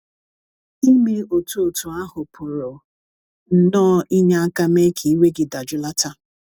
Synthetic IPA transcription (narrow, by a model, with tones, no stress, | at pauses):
i˦mi˦o˨tu˦o˨tu˨a˦ɦʊ˨pʰʊ˨ɾʊ˨ | n̩˨nɔː˦ʔi˦ɲa˦a˦ka˦me˦kʰi˨i˦we˦ɡɪ˨da˨d͡ʒʊ˦la˦ta˦